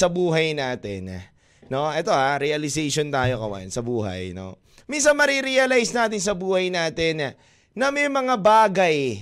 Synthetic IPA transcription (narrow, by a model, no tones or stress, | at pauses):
sɐbuːɦɐjnaːt̪ɛ̰n | no̞ʔɛt̪o̞ʔaɾɛɐlɪsɛjʃont̪aːjo̞kɐwɐ̰nsɐbuːɦɐ̰jno̞̰ | minsɐnmɐɾiɾiɐlajsnaːt̪ɪns̬ɐbuːhɐjnaːt̪ɛn | nɐmɛjmɐŋabaːɡɐj